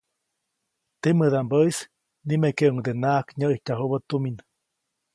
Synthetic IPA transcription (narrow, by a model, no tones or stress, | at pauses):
t̪eməðambəis | nimekeʔuŋd̪enaːkɲəʔihcaɦuβət̪umin